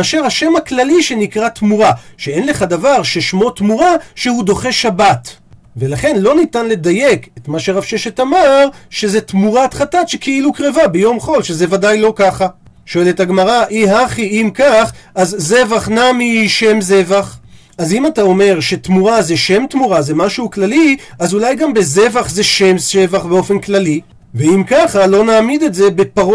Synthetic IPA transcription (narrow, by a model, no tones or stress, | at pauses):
aʃaʁhaʃe̞maklaliʃe̞nikʁat̪muʁaʃeenle̞χad̪avaʁʃeʃmo̞t̪muʁaʃe̞hud̪o̞χeʃabat | velaχe̞nlo̞nitanle̞d̪aje̞ketmaʃeʁafʃeʃetamaʁʃe̞zet̪muʁat̪χatatʃekʰeilukʁevabejo̞mχo̞lʃe̞zevadajlo̞kaχa | ʃo̞e̞lethaɡmaʁaʔiɦaχiʔimkaχʔazzevaχnamiʃe̞mze̞vaχ | azimatao̞me̞ʁʃetmuʁazeʃe̞mt̪muʁazemaʃuuklaliʔazulajɡambe̞ze̞vaχzeʃe̞mse̞vaχbe̞o̞fe̞nklali | veimkaχalo̞naːmid̪etze̞be̞paʁo